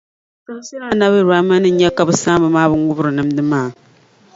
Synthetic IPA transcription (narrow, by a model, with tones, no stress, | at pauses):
ka˦si˦a˦na˦bɨ˦ɾa˦ma˦nɨ˦ɲɛ˦ka˦bɨ˦sa˦mbɨ˨maː˦bɨ˦ŋ˦u˦bɾɨ˨nɨ˦mdɨ˦maː˦˨